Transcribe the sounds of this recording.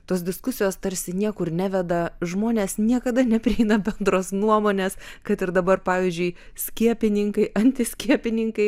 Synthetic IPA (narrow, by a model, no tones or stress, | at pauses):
t̪oːsd̪ʲɪskʊsʲɪjoːst̪ɐɾʲsʲɪnʲiɛkʊrnʲæːʋʲɛd̪ɐʒmoːnʲeːsnʲiɛkɐd̪ɐnʲɛpʲɾʲɪɛɪnɐbʲɛnd̪roːsnuɔmoːnʲeːskɐt̪ɪɾd̪ɐbɐrpɑːʋʲiːzʲd͡ʒʲʊɪ | sʲkʲiɛpʲɪnʲɪŋkɐɪʔɐnʲt̪ʲɪsʲkʲiɛpʲɪnʲɪŋkɐɪ